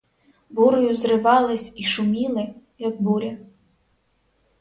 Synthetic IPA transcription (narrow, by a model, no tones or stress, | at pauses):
buɾʊjuzrɨvɑlˠɐsʲiʂumʲilˠɨ | jɐɡ̚buɾʲɐ